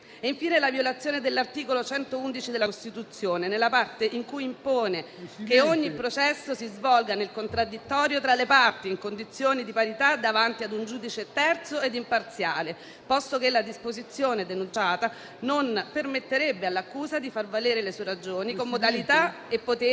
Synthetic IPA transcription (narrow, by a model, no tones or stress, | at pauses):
iɱfiːnelavjolat̪sːjoːned̪elːart̪iːkolot͡ʃɛnt̪ound̪it͡ʃid̪elːaost̪it̪ut̪sːjoːnenelːapart̪eʔiŋkujːimpoːne | keoɲːipɾot͡ʃɛsːosizvɔlɡanelkont̪ɾad̪ːit̪ːɔːɾjot̪ɾalepart̪iːŋkond̪it̪sːjoːnid̪ipaɾit̪ad̪avant̪iad̪und͡ʒuːd̪it͡ʃet̪ɛrt̪soed̪impart̪sjaːle | pɔst̪okelːad̪ispozit̪sːjoːned̪enunt͡ʃaːt̪a | nonpermet̪ːeɾebːealːakːuːzad̪ifarvaleːɾelesueɾad͡ʒoːnikomːod̪alit̪a | epːot̪e